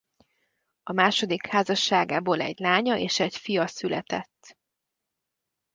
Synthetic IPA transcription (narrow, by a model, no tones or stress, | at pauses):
ɒmaːʃo̞d̪ikhaːzɒʃːaːɡaːboːlɛ̰ɟlaːɲɒʔeːʃɛcfijɒsylɛt̪ɛt̪ː